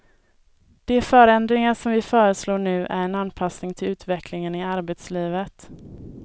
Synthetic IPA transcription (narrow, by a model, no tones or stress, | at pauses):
d̪̥ɛfœːɾɛnd̪ɾɪŋaʂɔmvɪfœːɾəsloːɳʉ̟ːʔæɾɛnanːpʰasnɪŋt̪ʰɪlʉ̟ːt̪vɛklɪŋənɪaɾbet̪sliːvət̪